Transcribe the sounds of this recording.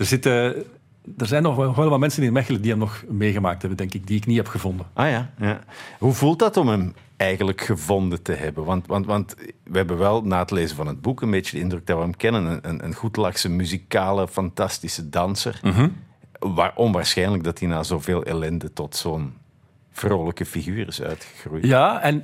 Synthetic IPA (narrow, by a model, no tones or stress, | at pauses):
dərzɪtə | dərzɛjnɔnɔxʋɛləmalmɛnsənɪəmɛxələdiɦɛmnɔxmeːɣəmaːk̚thɛbəndɛŋkɪk̚diɪkniɦɛpxəvɔndənʔaːjaːjaːɦuvulˠtdɑtɔmɦəm | ɛjɣənləkxəvɔndətəɦɛbənʋɑntʋɑntʋɑntʋəɦɛbənʋɛlˠnaːətəleːzənvɑnɦəd̚bukənbeːt͡ʃədəɪndrɵɡ̚dɑtʋəɦəmkɛnənənənʔə̰nɣutlɑxsəmyzikaːləfɑntɑstisədɑnsə̰rɦ | ʋa̰ːrʔɔmʋaːrsxɛjnələɡ̚dɑtinaːzoːveːlˠɛ̰lɛndətɔtsoːn | v̥roːləkəfiɣyːrɪsœ̰ɥtxə̥ɣrujjaɛn